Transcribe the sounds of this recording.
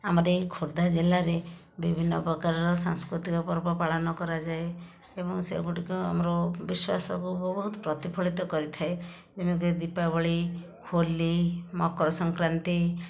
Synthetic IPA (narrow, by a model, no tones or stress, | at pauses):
amɔɾekʰoɾd̪ʱad͡ʒelaɾe | bibʱinːɔpɔkaɾɔɾɔsã̰ŋskɾut̪ikɔpɔɾpɔpaɭɔnɔkɔɾad͡ʒae | ebɔŋsḛɡuʈikua̰mɔɾɔbiswa̰sɔ̰kubɔbɔɦut̪ɔpɾɔt̪ipʰɔɭit̪ɔkɔɾit̪ʰae | d͡ʒemik̬ud̪ipabɔɭi | kʰolimɔkɔɾɔsɔŋkɾant̪i